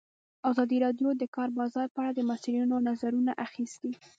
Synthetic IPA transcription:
azɑd̪iɾɑɖjod̪əkɑɾbɑzɑɾpəaɽad̪əmasilinonazaɾunaʔaxist̪i

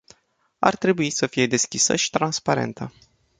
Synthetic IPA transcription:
a̰rt̪ɾe̞buisəfije̞d̪e̞skʲisə̰ʃi̥t̪ɾanspaɾe̞̰nt̪ʰə

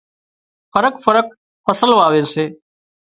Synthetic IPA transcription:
fʰəɾəkfəɾək̚ | fəsəlʋaːʋeːseː

